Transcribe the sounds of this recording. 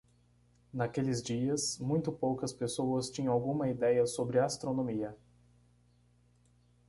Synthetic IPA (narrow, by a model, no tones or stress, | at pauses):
nakelɪzd͡ʒiɐsmũj̃t̪ʊpowkɐspesowɐst͡ʃĩɲɐ̃w̃awɡũmɐid̪ɛjɐsobɾɪast̪ɾonõmiɐ